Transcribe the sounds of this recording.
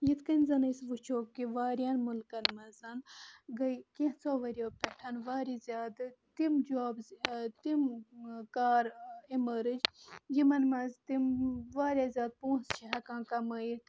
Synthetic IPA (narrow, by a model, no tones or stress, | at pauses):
jit̪kɐnʲzɐnɐjsʋut͡ʃʰoːkːiʋaːɾjaːnmulkɐnmɐzɐnɡɐjkẽt͡sʰoːʋɐɾʲoːpʲeʈʰɐnʋaːɾizʲjaːd̪ɨt̪imd͡ʒaːbzt̪imkaːɾeməɾɨd͡ʒjimɐnmɐzt̪imʋaːɾʲjaːzʲjaːd̪̚põːst͡ʃʰiɦɐkãːnkɐmɐji